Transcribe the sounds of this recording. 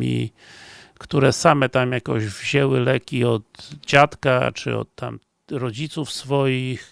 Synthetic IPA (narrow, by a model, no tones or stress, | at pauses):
ḭ | kt̪uɾɛsamɛt̪amjakɔ̰ʑvʑɛwɘlɛkʲiɔd̪d͡ʑat̪ka̰t͡ʂɘ̰ɔ̰t̪ːa̰m | ɾɔd͡ʑit̪sufsfɔjix